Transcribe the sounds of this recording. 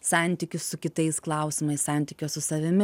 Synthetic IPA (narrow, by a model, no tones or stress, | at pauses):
sɑˑnʲˑt̪ʲɪkʲʊssʊkʲɪt̪ɐɪsklˠɐˑʊsʲɪmɐɪssɑˑnʲt̪ʲɪkʲoːssʊsɐʋʲɪmʲɪ